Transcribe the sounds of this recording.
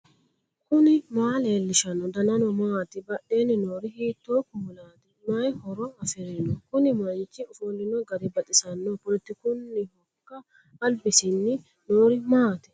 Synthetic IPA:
kʊnɪmaːleːlːɪʃɐnɔd̪ɐnɐnɔmaːt̪ɪbɐɗːeːnːɪnoːɾɪhiːt̪ːoːkʊɔlaːt̪ɪmɐjhɔɾɔɐfɪɾɛnɔkʊnɪmɐnt͡ʃːɪʊfolːɪnɔɡɐɾɪbɐt̪ʼɪsɐnːɔpʊlɛt̪ːɪkʊnːɪhɔkːɐː | lbɪsɪnːɪ | noːɾɪmaːt̪ɪ̥

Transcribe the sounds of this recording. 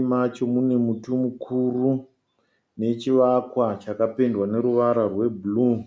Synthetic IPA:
mat͡ʃo̞mune̞mutumukʰuru | ne̞t͡ʃiʋakwat͡ʃakapendwane̞ɾuʋaɾarwe̞buluː

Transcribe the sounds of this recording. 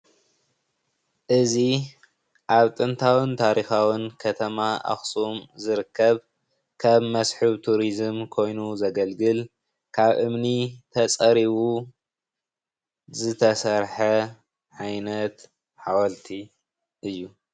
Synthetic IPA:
ʔɨzi | ʔaβt̪ʼɨnt̪ʰawɨnt̪ʰaɾixawɨnkʰɐt̪ʰɐmaʔa̰xsumzɨɾɨkʰːɐβ | kʰɐβmɐsħɨβt̪ʰuɾizɨmkʰo̞jnuzɐɡɐlɡɨl | kʰaβʔɨmnit̪ʰɐt͡sʼɐɾiβu | zɨt̪ʰɐsɐɾħɐ | ʕajnɐt̪ | ħawɐlt̪ʰi | ʔɨjːu

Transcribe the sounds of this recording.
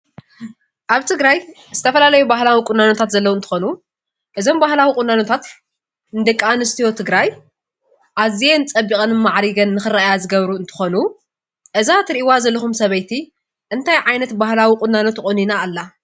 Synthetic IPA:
ʔaβt̪ʰɨɡɾaj | z̥ɨt̪ʰɐfɐlalɐjubaɦlawikʼʊnːanot̪ʰat̪zɐlːɐwoɨnt̪ʰɨ̥xo̞nu | ʔɨzo̞mbahlawikʼʊnːanot̪ʰat̪ | ɨnɨd̪ɨkʼːanɨst̪ʰijo̞t̪ʰɨɡɾaj | ʔazijenɨt͡sʼɐbːikʼɐnɨmaʕɾiɡɐnːɨxɨrajazɨɡɐβɾuɨnt̪ʰɨ̥xo̞nu | ʔɨzat̪ɨɾiʔiwazɐlːɐxumsɐβɐjt̪ʰi | ʔɨnt̪ʰajʕajnɐt̪bahlawikʼʊnːanot̪kʼʊninaːlːa

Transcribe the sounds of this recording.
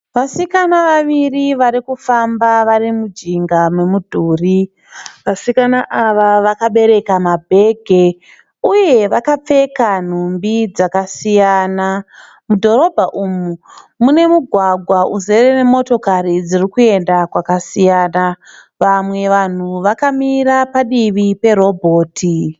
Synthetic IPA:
ʋasikanaʋaʋiriʋaɾikufambaʋarimud͡ʒiŋɡamwe̞mudʱuːri | ʋasikanaʔaʋaʋakaɓe̞ɾe̞kamabʱe̞ɡʱe̞ | uje̞ʋakap͡fe̞kan̤umbid͡zakasijaːna | mudʱo̞ɾo̞bʱaʔumumune̞muɡʱwaɡʱwauzerene̞mo̞to̞kaɾid͡zirikue̞ndakwakasijaːna | ʋamwe̞ʋan̤uʋakamiɾapaɗiʋipe̞ɾo̞bʱo̞ːtʰi

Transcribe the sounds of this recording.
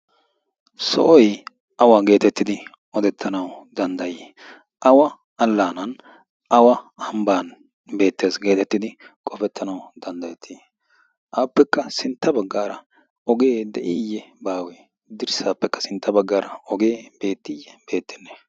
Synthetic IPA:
sɔ̰ʔɔj | ʔɐwaːɡe̞ːt̪ɛt̪ːɪd̪ɪ | ɔd̪ɛt̪ʰːɐnɐwd̪ɐnd̪ɐje | ʔɐwɐ | ɐlːaːnɐn | ɐwɐhɐmbaːn | be̞ːt̪ːe̞ːsɡe̞ːt̪ɛt̪ːɪd̪ɪkʼɔfɛt̪ʰːɐnɐwd̪̥ɐnd̪ɐjɛt̪ʰːi | ʔaːpːɛkːɐsɪnt̪ːɐbɐɡːaːɾɐ | ɔɡe̞ːd̪ɛʔɪjːɛbaːwe | d̪ɪɾsaːpːɛkːɐ̥sɪnt̪ːɐbɐɡːaːɾɐɔɡe̞ːb̥e̞ːt̪ːɪjːɛb̥e̞ːt̪ːɪnːɛ̥

